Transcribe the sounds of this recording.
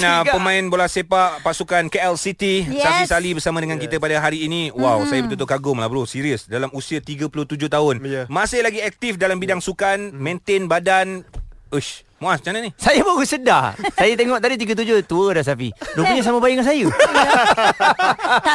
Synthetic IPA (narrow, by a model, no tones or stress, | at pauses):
napəmãɪnbolahsepaʔpasukankeɛlsit̪isafisalibərsamãdəŋankit̪əpadaɦaɾiːniwawsajabət̪ut̪ʊʔkaɡʊmla̰bəɾusiɾiəsdalamusiat̪iɡəpulʊt̪ud͡ʒʊht̪aʊnmasɪhlaɡiɛk̚t̪ifdalambidaŋsukanmẽnt̪ɪnbadanuʃ | mõʔast͡ʃananisajabaɡusədasajat̪eŋɔʔt̪adit̪iɡət̪̬ud͡ʒʊht̪uədas̬afḭdupuɲãs̬aməbajiŋansaju